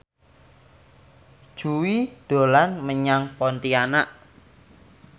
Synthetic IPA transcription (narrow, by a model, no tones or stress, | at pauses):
d̥ʒ̥uwid̪̥o̤lanməɲaŋpɔnt̪ianaʔ